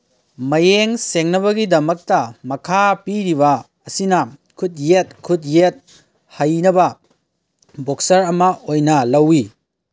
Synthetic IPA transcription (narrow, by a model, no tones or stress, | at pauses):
mɐjeŋseŋnɐβɐɡidɐmɐk̚tɐmɐkʰapiɾiβɐ | ɐsinɐkʰut̚jet̚kʰut̬̚jet̚ | hɐjnɐbɐ | boksɐɾɐmɐʔojnɐlɐwːi